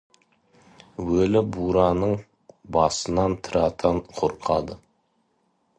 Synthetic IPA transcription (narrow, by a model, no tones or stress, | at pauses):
wɵlɪbuɾɑnəɴ | bɑsənɑnt̪ʰəɾɑt̪ʰəɴqʰoɾqʰɑd̪ə